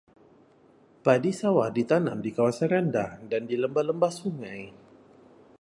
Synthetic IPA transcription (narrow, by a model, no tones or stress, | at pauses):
padisawadit̪ana̰mdikawasanɾandadandiləmbaləmbasuŋaj